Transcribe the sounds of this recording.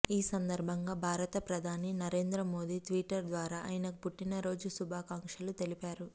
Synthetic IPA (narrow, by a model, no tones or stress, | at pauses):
iːsɐnd̪ɐɾbʱɐŋɡaːbʱaːɾɐt̪ɐpɾɐd̪ʱaːninɐɾe̞ːnd̪ɾɐmo̞ːd̪iːt̪ʋiːʈːɐɾd̪ʋaːɾaːʔɐ̰jinɐpuʈːinɐɾo̞ːd͡ʒusubʱaːkaːŋkʂɐlut̪e̞lipaːɾu